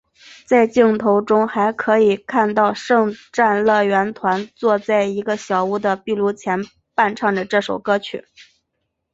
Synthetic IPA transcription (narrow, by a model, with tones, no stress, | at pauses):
t͡sa˥˧ɪt͡ɕi˥˩ŋt̪ʰo˧˥ʊʈ͡ʂʊ˥ŋxa˧˥ɪkʰɤ˧˥i˨˩kʰa˥˧nt̪ɑ˥˧ʊʂɤ˥˧ŋʈ͡ʂa˥˧nlɤ˥˩ɥɛ˧˥nt̪ʰwa˧˥nt͡swɔ˥˧t͡sa˥˩ɪi˧˥ɡə˧ɕjɑ˨˩ʊu˥˩d̪ə˨pi˥˧lu˥˩t͡ɕʰjɛ˧˥n | pa˥˧nʈ͡ʂʰɑ˥˩ŋdə˩ʈ͡ʂɤ˥˩ʂo˨˩ʊkɤ˥t͡ɕʰy̰˨˩˦